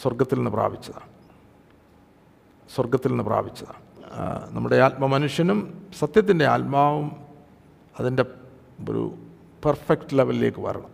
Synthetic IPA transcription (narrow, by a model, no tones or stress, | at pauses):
swɐrɡɐt̪ːilenːɨpra̰ːbit͡ɕːɐða̰ː | swɐrɡɐt̪ːilenːɨpra̰ːbit͡ɕːɐða̰ːnɐmːuɽe̞aːlmɐmɐnuʂjɐnumsɐt̪jɐt̪̬ːinde̞a̰ːlmaːʋum | ɐðinde̞ | o̞̰ɾṵ | pɐrfekʈɨleʋɐlile̞ːkːɨpɐ̰ɾɐ̰ɳɐm